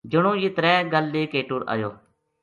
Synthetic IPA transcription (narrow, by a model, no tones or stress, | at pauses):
d͡ʒʊɽ̃õːjɪt̪ɾɛːɡəlːeːkeːʈʊɾʔa̰ːjo̰ː